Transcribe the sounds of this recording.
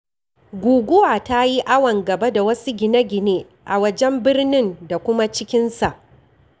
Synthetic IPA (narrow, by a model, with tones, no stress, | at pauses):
ɡʷuː˨ɡʷʊ˦waː˨ta˦ji˦ʔa˦wɐ˨ŋɡɐ˨ba˦da˨wɐ˦su˦ɡʲɪ˨na˦ɡʲɪ˨neː˦ | ʔa˨wɐ˦d͡ʒɛ˦mbɪ˦rnɪ˦nda˨kʷʊ˦ma˦t͡ʃɪ˦kʲɪ˦nsa˨ʔ